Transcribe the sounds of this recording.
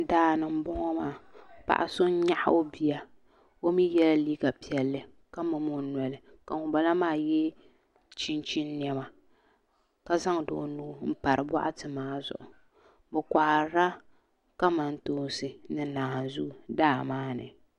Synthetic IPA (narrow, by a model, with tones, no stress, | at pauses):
daː˦˨nɨ˨m̩˦bɔ˦ŋɔ˦maː˦˨pa̰˨ʔa̰˨so˦n˦ɲa˦ʔa˦o˦bi˨ja˨ | o˦mi˦jɛ˦la˦liː˦ɡa˨pi˨ɛ˨lːɨ˨ | ka˦mɨ˨mo˦nɔ˨lɨ˨ | ka˨ŋʊ˨ba˨la˦maː˦˨jɛ˦ | t͡ʃi˦n˦t͡ʃi˦nː˦jɛ˦ma˨ | ka˦za˦ŋ˨do̰ː˨nuː˦m̩˦pa˨ɾɨ˨bɔ˦ʔa˦tɨ˨maː˦zʊ̰˨ʔʊ˨ | bɛ˨kʷa˨ɾa˦ | ka˦ma˨n̩˦toː˦sɨ˨nɨ˨˦naː˨ha˨nzu˦˨daː˦˨maː˦nɨ̰˨